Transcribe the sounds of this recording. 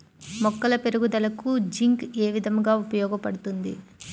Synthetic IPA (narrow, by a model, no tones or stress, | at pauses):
mɔkːɐlɐpe̞ɾuɡud̪ɐlɐkud͡ʒiŋkeːʋid̪ʱɐŋɡaːupɐjɔːɡɐpɐɽut̪und̪ḭ